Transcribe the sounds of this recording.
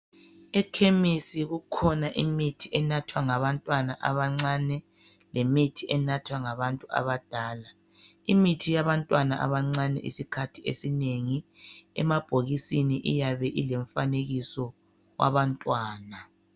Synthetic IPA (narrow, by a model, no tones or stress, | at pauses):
ɛkʰemisiɣukʰɔnaʔimitʰiʔɛnatʰwaŋaβantʼwanaʔa̰βaŋ͡ǀanɛ | lʔemitʰiʔɛnatʰwaŋaβantʼua̰βad̥ʱaːla | imitʰijaβantʼwanaʔa̰βaŋ͡ǀanɛ̰ʔḭsikʰatʰiesineŋiɛ̰mab̥ʱoɣisiniʔḭjaβɛʔileɱfaneɣisɔ | wʔa̰βantʼwaːna